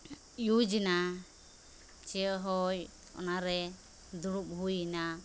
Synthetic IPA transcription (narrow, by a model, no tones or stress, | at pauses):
jud͡ʒina | t͡ʃɛɦɔj | ɔ̰naɾɛ | d̪uɽup̚ɦujina